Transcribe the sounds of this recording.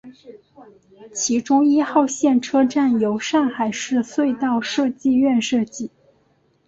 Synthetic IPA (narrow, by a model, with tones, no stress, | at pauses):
t͡ɕʰi˧˥ʈ͡ʂʊ˥ŋi˥xɑ˥˧ʊɕjɛ˥˩nʈ͡ʂʰɤ˥ʈ͡ʂa˥˩njo˧˥ʊʂɑ˥˩ŋxa˨˩ɪʂɻ̩˥˧swe˥˧ɪt̪ɑ˥˧ʊʂɤ˥˧t͡ɕi˥˧ɥɛ˥˧nʂɤ˥˧t͡ɕi˥˩